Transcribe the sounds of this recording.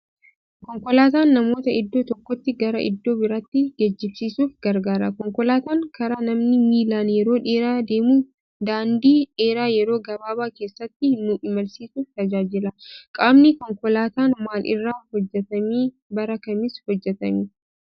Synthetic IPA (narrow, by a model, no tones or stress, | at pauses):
kɔŋkɔlaːt̪aːnːɐmo̞ːt̪ɐɪd̪ːo̞ːt̪ɔkːɔt̪ːɪɡɐɾɐʔɪ̰d̪ːo̞ːbɪɾat̪ːɪɡɐd͡ʒːɪbsiːsuːfɡɐɾɡaːɾɐkɔŋkɔlaːt̪aːŋkʰɐɾaːnɐmnɪmiːlaːnjɛɾo̞ːᶑeːɾaːd̪e̞ːmuː | d̪aːnd̪iːᶑe̞ːɾaːjɛɾo̞ːɡɐbaːbaːkeːsːɐt̪ːɪhɪnːuːʔɪmɐlsiːsuːft̪ɐd͡ʒaːd͡ʒɪlɐkʼaːmnɪkɔŋkɔlaːt̪aːnmaːlʔɪ̰rːaːhɔd͡ʒːɛt̪ɐmiː | bɐɾɐkɐmɪshɔd͡ʒːɛt̪ɐmiː